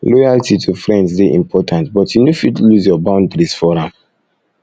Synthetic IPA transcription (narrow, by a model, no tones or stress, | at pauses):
lɔjaltʰitʰufɹɛ̃ndsdeʔḭ̃mpʰɔtʰãntbɔtjunofitluzjɔbãʊ̃ndɹisfɔɹãm